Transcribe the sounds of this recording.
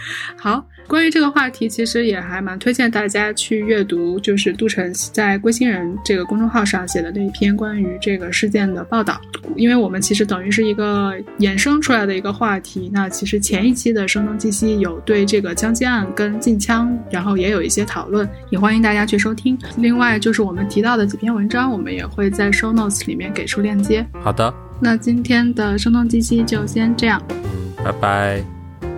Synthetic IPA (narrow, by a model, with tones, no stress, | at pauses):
xɑ˨˩˦ʊ | kwa˥ny˧˥ʈ͡ʂɤ˥˩ɡə˩xwa˥˩t̪ʰi˧˥t͡ɕʰi˧˥ʂɻ̩˧˥jɛ˨˩xa˧˥ɪma˧˥nt̪ʰwe˥ɪt͡ɕjɛ˥˧nt̪a˥˩t͡ɕja˥t͡ɕʰy˥˧ɥɛ˥˩t̪u˧˥t͡ɕjo˥˧ʊʂ̬ɻ̩˥˧t̪u˥˩ʈ͡ʂʰɤ˧˥ŋ˥t͡sa˥˩ɪkwe˥ɪɕi˥ŋɻə˧˥nʈ͡ʂɤ˥˩ɡə˩kʊ˥ŋʈ͡ʂʊ˥˧ŋxɑ˥˧ʊʂɑ˥˩ŋɕjɛ˨˩d̪ə˦ne˥˩ɪi˨˩pʰjɛ˥nkwa˥ny˧˥ʈ͡ʂɤ˥˩ɡə˩ʂɻ̩˥˧t͡ɕjɛ˥˩nd̪ə˩pɑ˥˧ʊt̪ɑ̰˥˩ʊ˨˩i˥nwe˥˩ɪwɔ˨˩mə˦nt͡ɕʰi˧˥ʂ̬ɻ̩˧˥t̪ɤ˨˩ŋy˧˥ʂɻ̩˥˩i˧˥ɡə˧jɛ˨˩nʂɤ˥ŋʈ͡ʂʰu˥la˧˥ɪd̪ə˩i˧˥ɡə˧xwa˥˩t̪ʰi˧˥na˥˩t͡ɕʰi˧˥ʂɻ̩˧˥t͡ɕʰjɛ˧˥ni˥˩t͡ɕʰi˥d̪ə˨ʂɤ˥ŋt̪ʊ˥ŋt͡ɕi˥˩ɕi˥jo˨˩ʊt̪we˥˧ɪʈ͡ʂɤ˥˩ɡə˩t͡ɕʰjɑ˥ŋt͡ɕɛ˥a˥˩nkə˥nt͡ɕi˥˩nt͡ɕʰjɑ˥ŋɻa˧˥nxo˥˩ʊjɛ˧˥jo˨˩ʊḭ˥˩ɕjɛ˥t̪ʰɑ˨˩ʊlwə˥˩njɛ˨˩xwa˥ni˧˥ŋt̪a˥˩t͡ɕja˥t͡ɕʰy˥˩ʂ̬o˥ʊt̪ʰi˥ŋ | li˥˧ŋwa˥˧ɪt͡ɕjo˥˧ʊʂɻ̩˥˩wɔ˨˩mə˦nt̪ʰi˧˥t̪ɑ˥˩ʊd̪ə˩t͡ɕi˨˩pʰjɛ˥nwə˧˥nʈ͡ʂɑ˥ŋwɔ˨˩mə̰˦njɛ̰˨˩xwe˥˧ɪt͡sa˥˩ɪʂo˥ʊno˥˩ʊsli˨˩mjɛ˥˩nke˨˩ɪʈ͡ʂʰu˥ljɛ˥˩nt͡ɕjɛ˥xɑ˨˩d̪ə˦ | na˥˩t͡ɕi˥nt̪ʰjɛ˥nd̪ə˨ʂɤ˥ŋt̪ʰʊ˥˧ŋt͡ɕi˥ɕi˥t͡ɕjo˥˩ʊɕjɛ˥nʈ͡ʂɤ˥˧jɑ˥˩ŋn̩˥˩pa˧˩ɪpa˥˧ɪ